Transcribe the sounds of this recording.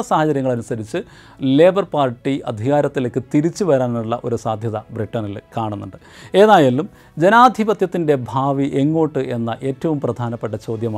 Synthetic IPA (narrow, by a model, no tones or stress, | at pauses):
ɐsaːhɐt͡ɕɐɾjɐŋːɐɭɐnusɐɾit͡ɕːɨ | le̞ːbɐrpaːrʈːiʔɐ̰d̪ʱiɣaːɾɐt̪ːilekːɨt̪iɾit͡ɕːuʋɐɾaːnuɭːɐʔo̞ɾusaːd̪ʱjɐðɐbriʈːɐnilkaːɳunːuɳɖɨ | e̞ːðaːjaːlːum | d͡ʑe̞naːd̪ʱibɐt̪jɐt̪ːinde̞bʱaːʋiʔe̞ŋːo̞ːʈːɨe̞nːɐʔe̞ːtːɐʋumprɐd̪ʱaːnɐpːe̞ʈːɐt͡ɕo̞ːd̪jɐmaː